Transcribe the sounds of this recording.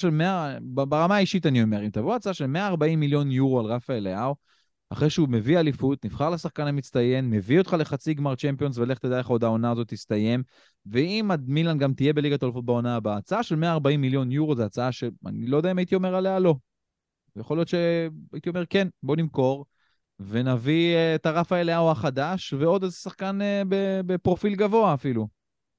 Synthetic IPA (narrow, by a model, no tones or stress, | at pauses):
ʃelmeabbaʁamaːiʃit̪anio̞me̞ʁimtavoat͡saaʃe̞lme̞aːʁbaimːiljo̞njuʁoalʁafaeleaw | a̰χʁeʃeume̞vialifut̪nifχaʁlesaχkanamit͡st̪aje̞nme̞viot̪χale̞χat͡siɡmaʁt͡ʃempijo̞nsvele̞χt̪edaeχo̞d̪ao̞naːzo̞t̪ist̪aje̞m | veimadmilanɡamt̪ije̞be̞liɡat̪olfot̚baonaːbaːt͡saaʃe̞lme̞aːʁbaimːiljo̞njuʁozeat͡saaʃea̰nilodeaimait̪io̞me̞ʁalealo̞ | jaχo̞lijo̞t̪ʃeait̪io̞me̞ʁke̞nbo̞nimko̞ʁ | ve̞naviet̪aʁafaeleauaχad̪aʃveo̞d̪ezesaχkanebebepʁo̞filɡavo̞aːfilu